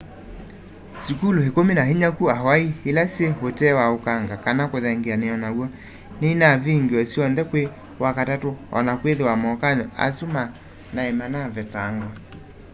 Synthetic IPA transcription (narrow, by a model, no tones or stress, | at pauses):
sikulohekominaɦeɲakuaɦwaihelaseɦotɛwaokaŋɡakanakoðɛŋɡeaneɔnawɔ | nenaviŋɡwɔsiɔnðɛkwe | wakatatoɔ̰nakweðewamɔkaɲa̰suma | naemanavɛtaŋɡwa